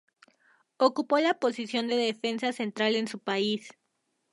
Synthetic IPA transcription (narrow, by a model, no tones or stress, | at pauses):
okupo̞lapo̞sisjo̞nd̪e̞ðefe̞nsase̞nt̪ɾale̞nsupais